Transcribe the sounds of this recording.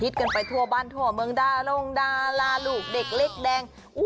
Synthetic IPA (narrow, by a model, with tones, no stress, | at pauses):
i˦˥t̪̚ka˧npa˧jt̪ʰu˧ɐbaː˧nt̪ʰu˧˩ɐmɯ˧ŋdaː˧lo˧ŋdaː˧laː˧luː˨˩k̚de˨˩k̚le˦˥˩k̚dɛː˧ŋ | ʔu˦˩